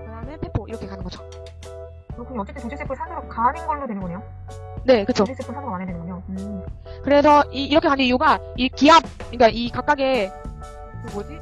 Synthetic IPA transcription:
nenpʰenpʰoḭɾʌkʰe̞kanɯnɡʌd͡ʑo̥ | kɯɾokʰuniʌt͡ɕ͈etʰɯntod͡ʑis͈epʰɯɭsʰadɯɾokaːnɯnɡʌɭːodwenɯnŋɡʌɲeo | ne̞kɯt͡ɕʰois͈epʰɯɭsʰanoɡamanɦedwenɯŋɡʌɲoɯkɯɾe̞sʰʌiːɾʌkʰeanɯnijuɡaikiɦap̚kɯɲk͈aʔikak͈aɡe̞ | kɯmod͡ʑi

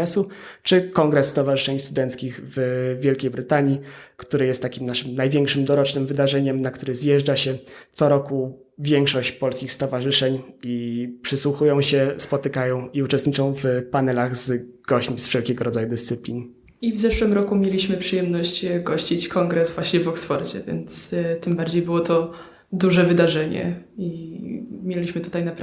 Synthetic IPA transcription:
ɛsut͡ʂɘkɔŋɡɾɛsːt̪ɔvaʐɨ̥ʂɛɲst̪ud̪ɛnt̪skʲixvvʲjelkʲejbɾɘt̪aɲikt̪uɾɘjɛst̪ːakʲimnaʂɘmnajvʲjɛŋkʂɘmd̪ɔɾɔt͡ʂnɘmvɘd̪aʐɛɲɛmnakt̪uɾɘzjɛʐd͡ʐaɕɛt̪sɔɾɔku | vʲjɛŋkʂɔɕt͡ɕpɔlskʲixst̪ɔvaʐɘʂɛɲipʂɘswuxujɔ̃w̃ɕɛspɔt̪ɘkajɔ̃w̃iut͡ʂɛst̪ɲit͡ʂɔ̃w̃vpanɛlaɣzɡ̥ɔɕt͡ɕmʲisfʂɛlkʲɛɡɔɾɔd̪zajud̪ɘst̪sɘplʲin | ivzɛʂwɘmɾɔkumʲjelʲiɕmɘpʂɨjɛmnɔɕt͡ɕɡɔɕt͡ɕit͡ɕkʰɔŋɡɾɛsvwaɕɲɛvɔksfɔɾd͡ʑɛ̰vʲjɛ̰nt̪st̪ɘmbaɾd͡ʑejbɘwɔt̪ɔ | d̪uʐɛvɘd̪aʐɛɲɛ̰i | mʲjelʲiɕmɘt̪u̥t̪ajnap

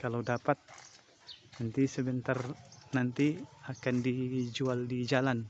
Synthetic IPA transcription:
kalawdapat̪̚ | nant̪isəbənt̪arnant̪iakandid͡ʒualdid͡ʒalan

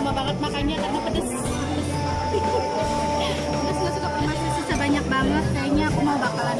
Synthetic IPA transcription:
mabaŋət̪̚makajɲakarnapədəs | ədasukasukapəmasasusabaɲak̚baŋət̪̚kaaɲaːkumaubakalan

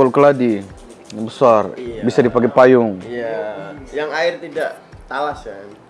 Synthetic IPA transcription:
olkəladi | jaŋbəsarbisadipaɡepajʊŋjajaŋaɪrt̪idaʔt̪alasja

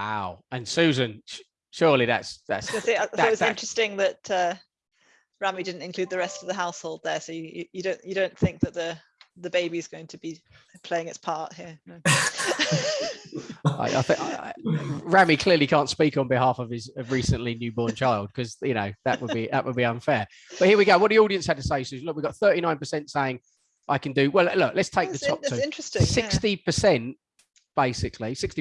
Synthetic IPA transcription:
waʊə̃nsʉːzə̃nʃ | ʃɔːliða̰tsða̰tsiʊɪt̚wzɪ̃nt͡ʃɹ̥ɛstɪ̃ŋðəʔʌ | ɹamidɪdⁿn̩tɪ̃nkʰl̥ʉːd̪̚ðəɹɛstəvðəɦaʊshoʊlˠd̪̚ðəsoʊjjəjədõʊ̃nədõʊ̃nθɪ̃ŋk̚ðəʔ̪̚ðə | ðəbeɪbizɡoʊɪ̃ŋtʰəbi | pʰl̥eɪɪ̃ŋɪtspʰɑˑʔhiənoʊ | a̰ɪʔa̰ɪθɪ̃ | ɹamikʰl̥ɪəlikʰɑ̃ˑntspiˑkn̩bɪɦɑˑfəv̥ɪzəɹiˑsə̃nlinjʉːbɔːnt͡ʃʰaɪlˠd̚kʰʌzjɨnəʊðəʔwəbiðə̰ʔwʔəlˠbiʌ̃nfɛː | b̥ʌt̚ʔhɪəwiɡəʊwɒʔ̚ðiɔːɾiə̃nshəd̚tʰəseɪsʉzlʊk̚wiɡɒt̪̚θɜˑtiñãɪ̃npəsɛ̃ntseɪɪ̃ŋ | ʔaɪkʰə̃ndɨwɛlˠlʊklətstʰeɪk̚ðətʰɒp̚ʰːɪ̃nt͡ʃɹ̥ɛstɪ̃sɪkstipʰəsɛ̃nʔ | b̥eɪsɪkʰlisɪksti

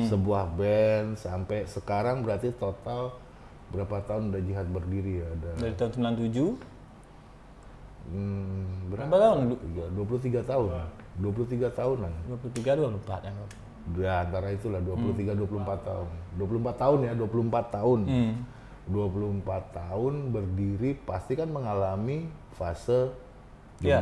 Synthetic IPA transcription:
səbuahbɛnsampɛsəkaɾaŋbəɾart̪it̪ot̪al | bəɾapat̪aʊnudahd͡ʒiɦat̪̚bərdiɾijadadaɾit̪aʊnsəmilant̪ud͡ʒu | bəɾat̪aʊnjaduap̬uluht̪̬iɡat̪aʊn | duap̬uluht̪iɡat̪aʊnladuapulut̪iɡaduapulumpat̪̚jaŋa | aːnt̪aɾait̪ulahduapulut̪iɡaduapuluhmpat̪ːaʊnduwap̬ulumpat̪ːaʊnjaduapuluəmpat̪ːaʊn | duapulumpat̪ːaʊnbərdiɾipast̪ikanməŋalami | fasə | d͡ʒ

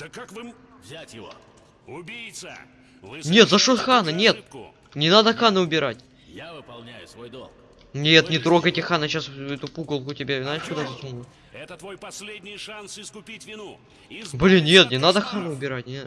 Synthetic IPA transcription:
d̪̥əkːakvɨm | vzʲatʲjɪvo̰ | ʊbʲijt̪sə | nʲe̞t̪zɐʂot̪xanənʲe̞t̪ | nʲɪnad̪əxanɨʊbʲɪɾatʲ | javɨpɐlˠnʲæjʊsvojd̪o̰lˠk | nʲet̪nʲɪt̪ɾo̞ɡəjtʲɪxanəɕasɛt̪ʊpuɡəlˠkʊtʲɪbʲavʲɪnaʃkʊd̪azəsumu | ɛt̪ət̪vo̞jpɐsʲlʲedʲnʲɪjʂansɪskʊpʲitʲvʲɪnu | blʲɪnʲe̞t̪nʲɪnad̪əxanɨʊbʲɪɾat̚ʲnʲ

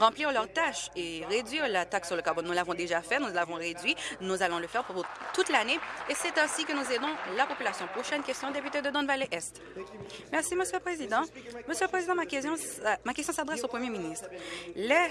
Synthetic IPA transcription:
ʁɑ̃pliʁlœʁt̪aʃeʁed̪ɥiʁlat̪aksːyʁləkaʁbɔnːulavɔ̃d̪eʒafɛtnulavɔ̃ʁed̪ɥinuzalɔ̃ləfɛʁpuʁt̪ut̪laneesɛt̪ɛ̃sikənuzed̪ɔ̃lapɔpylasjɔ̃pχoʃɛnkʲɛst̪jɔ̃d̪epyt̪ed̪əd̪ɔ̃nvaleʔɛst̪ | mɛʁsiməsjøləpχezid̪ɑ̃məsjøləpχezid̪ɑ̃makjɔ̃makʲɛst̪jɔ̃sad̪ʁɛsopχəmjeminist̪χlɛ

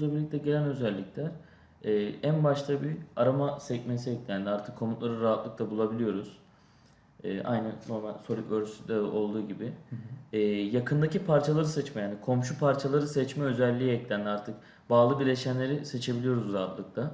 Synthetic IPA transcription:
uzlˠabiɾlʲic̚t̪ʰɛɟelʲænø̞zælʲːiclʲæɾ | ɛːænbaʃt̪ʰabiaɾamasɛcmɛnsiɛclʲænd̪iaɾt̪ʰɯkʰːo̞mut̪lˠaɾɯɾaɦat̪lˠɯk̚t̪ʰˠabulˠabilʲijo̞ɾuz̥ | ɛːʔa̰jnɯnoɾmalʲso̞lʲykøɾsyd̪ɛo̞lˠd̪uːɟibɪː | jakʰɯnd̪acipʰaɾt͡ʃʰalˠaɾɯsɛt͡ʃmɛjaːnikʰo̞mʃupʰaɾt͡ʃʰalˠaɾɯsɛt͡ʃmɛø̞zɛlʲːiːɛclʲænd̪aɾt̪ʰɯk | baːlˠɯbilʲeʃænlʲe̞ɾiset͡ʃʰe̞bilʲijo̞ɾuzɾaɦat̪lˠɯk̚t̪ʰa

